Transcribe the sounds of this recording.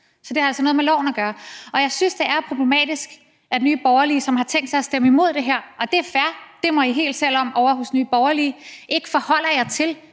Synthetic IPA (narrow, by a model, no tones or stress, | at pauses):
sɒ̽d̥e̝æɐælsɒnɔðˠmelɒ̰ʊ̰n̩æɡ̥ɶːɐɒ̽jɑ̈ɪsynsd̥e̝æɐpʰʁo̝b̥le̝mɛ̰ːd̥isɡ̥ | ʔæd̥enyːb̥ɒʊɐliːsɒ̽mhɑ̈t͡sʰeŋ̰d̥sɑ̈ɪæsd̥eməimo̝ð̞̰ˠd̥e̝ɦeɐ̰ɒ̽d̥e̝æɐfæɐd̥e̝mɒ̽iɦe̝̰ːld̥sel̰ɒ̽mʔɒʊɐɦo̽snyːb̥ɒʊɐliːʔe̝ɡ̥fɒ̽hɒ̽l̰ɐjɑ̈ɪt͡sʰe̝l